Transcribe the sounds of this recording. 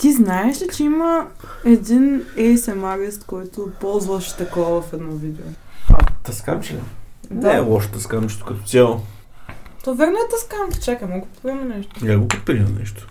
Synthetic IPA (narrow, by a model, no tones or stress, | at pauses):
t̪iznaɛʃɛt͡ʃɛimɐ | ɛd̪inɛjsɛmaɡɛst̪kɔjt̪ʊpɔlˠzvɐʃɛ̥t̪ɐkɔvɐvɐfɛd̪nɔvid̪ɛo | ɐ̰t̪ɐska̰mt͡ʃid̪aɛ̰lˠɔʃt̪ɐskamt͡ʃt̪ʊ̥kɐt̪ɔ̥sʲjalˠo | t̪ɔvʲɛɾnot̪ɐskamk̪i̥t͡ʃakɛmɔɡot̪pɾʲiɛmɐnɛʃt̪o̥lɛɡopt̪̚pɾiɛm̰nɛʃt̪ʊ̥